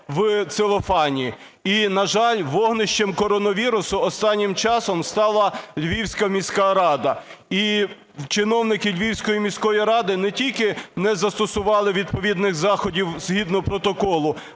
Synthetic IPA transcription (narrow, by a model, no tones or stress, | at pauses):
ʋt̪sɪlˠɔfɑnʲi | inɐʒɑlʲʋɔɦnɪʃt͡ʃɛmkɔɾɔnɔʋʲiɾʊsʊɔst̪ɑnʲːɪmt͡ʃɑsɔmst̪ɑlˠɐlʲʋʲiwsʲkɐmʲisʲkɑɾɑd̪ɐi | t͡ʃɪnɔwnɪkɪlʲʋʲiwsʲkɔjimʲisʲkɔjiɾɑd̪ɪnɛtʲilʲkɪnɛzɐst̪ɔsʊʋɑlˠɪʋʲid̪̚pɔʋʲid̪nɪxzɑxɔdʲiwz̥ɦid̪nɔpɾɔt̪ɔkɔlˠʊ